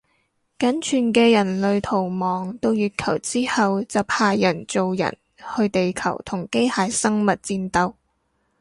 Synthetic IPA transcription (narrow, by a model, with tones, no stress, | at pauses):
kɐ˨˥nt͡ʃʰyː˨˩nkɛː˧jɐ˨˩nlɵ˨˧ɥt̪ʰo˨˩wmɔː˨˩ŋt̪o˥˧wjyː˨t̚kʰɐ˨˩wt͡siː˥hɐ˨wt͡sɐ˨wpʰaː˧jːɐ˨˩nt͡so˨wjɐ̰˨˩n | hɵ˧ɥt̪e˨jkʰɐ̰˨˩wt̪ʰʊ˨˩ŋke˥jhaː˨jsɐ˥ŋmɐ˨t̚t͡siː˧nt̪ɐ˧w